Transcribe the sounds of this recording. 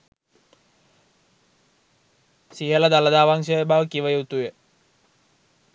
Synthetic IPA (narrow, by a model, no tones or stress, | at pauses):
siɦələd̪aləd̪aːʋaŋʃəəbaʋəkiʋəjuut̪ujə